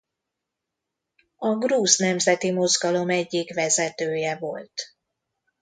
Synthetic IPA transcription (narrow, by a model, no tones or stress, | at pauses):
ɒɡruːznɛmzɛt̪imo̞zɡɒlo̞mɛɟːikʋɛzɛt̪øːjɛvo̞lt̪